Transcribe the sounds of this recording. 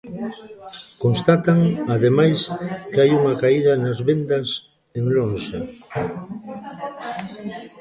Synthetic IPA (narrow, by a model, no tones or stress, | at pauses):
konst̪at̪aŋaðemajskajuŋɐkaiðɐnɐzβend̪ɐs | eŋlonʃa